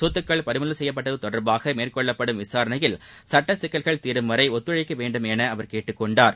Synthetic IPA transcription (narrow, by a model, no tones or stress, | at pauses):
suːt̪ːɯkːɐɭpɐɾɪmɐlɐsɛjːɐp̬ːɐʈːɐðɯt̪ɔɽɐɾbaːɣɐmeːrkɔɭːɐpːɐɽɯmʋɪsaːɾɐnɐjɪl | sɐʈːɐsɪkːɐɭɣɐɭt̪iːɾɯmʋɐɾɐɪɔt̪ːɯɻɐɪkːɐʋeːɳɖɯmɛnɐɐʋɐɾkeːʈːɯkːɔɳɖaːɾ